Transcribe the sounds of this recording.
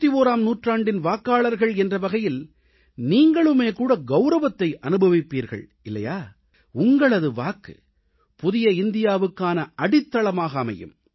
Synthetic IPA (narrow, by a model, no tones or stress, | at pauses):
t̪ːioːɾaːmnuːʈraːɳɖɪnʋaːkːaːɭɐɾɣɐɭɛndrɐʋɐɣɐjɪl | niːŋɡɐɭɯmeːkuːɽɐɡɐʊɾɐʋɐt̪ːɐɪʔɐnɯbɐʋɪpːiːɾɣɐ̰ɭ | ɪlːɐ̰jaː | ʊŋɡɐɭɐðɯʋaːkɯ̰ | pʊðɪjɐɪnd̪ɪjaːʋɯkːaːnɐʔɐɽɪt̪ːɐɭɐmaːɣɐːmɐ̰jɯ̰m